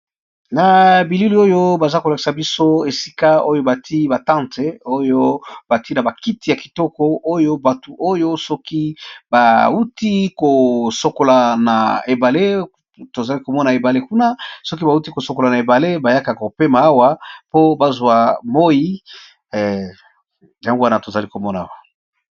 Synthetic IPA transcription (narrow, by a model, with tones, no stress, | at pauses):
na˨bi˨li˦li˨o˦jo˦ba˨za˦ko˨la˨ki̥˨sa˨bi˦so˦e˨si̥˦ka˦o˦jo˦ba˨tʰi˦ba˨tã˦nte˨o˦jo˦ba˨ti˦na˨ba˨ki˦ti˨ja˨ki̥˨tɔ˦kɔ˦o˦jo˦ba˨tu˨ʔo˦jo˦sɔ˦ki˦ba˨u˦ti˦ko˨so˨ko˨la˨na̰˨e˨ba˨le˦ | to˨za˨li˦ko˨mɔ˦na˨e˨ba˨le˦ku˦na˦sɔ˦ki˦ba˨u˦ti˦ko˨so˨ko˨la˨na˨e˨ba˨le˦ba˨ja˦ka˨ko˨pe˦ma˨a˦wa˦po˦ba˨zwa˨mo˦ji˦˨ | ja˦ŋɡo˦wa˦na˨to˨za˨li˦ko˨mɔ˦na˨a˦˨wa˨